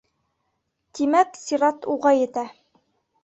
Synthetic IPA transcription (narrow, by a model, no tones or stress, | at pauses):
t̪imæksʲiɾɑt̪uʁɑjɘ̆t̪æ